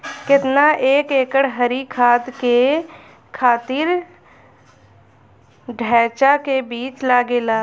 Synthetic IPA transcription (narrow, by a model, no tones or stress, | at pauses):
kɪt̪naʔeːkeːkəɽɦəɾikʰaːd̪ke | kʰaːt̪ɪɾ | ɖʱɛːt͡ʃakebiːt͡ʃlaːɡeːlaː